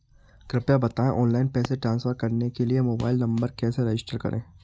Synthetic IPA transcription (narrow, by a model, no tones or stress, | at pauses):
kɾɪpjabɐt̪aːẽʔɔːnlaːɪnpɛːseʈɾãːnsfəɾkɐɾnekeliemoːba̰ːɪlnɐ̃mbəɾkɛːseɾed͡ʒɪsʈəɾkɐ̰ɾʔḛ̃ː